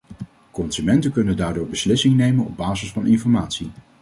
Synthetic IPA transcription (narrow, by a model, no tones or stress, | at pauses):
kɔnsymɛntəkɵnəndaːɹdʊːɹbəslɪsɪŋnejmənɔ̰b̚baːzəsfɑnʔɪnfɔɹmaːtsi